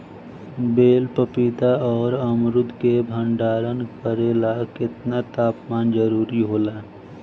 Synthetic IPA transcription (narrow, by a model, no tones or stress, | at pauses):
beːlpəpit̪aɔːɾəmɾʊd̪ʱkebʱə̃ɳɖaːɾənkəɾeːlakɪt̪nat̪aːpmaːnd͡ʒəɾuːɾiɦoːlaː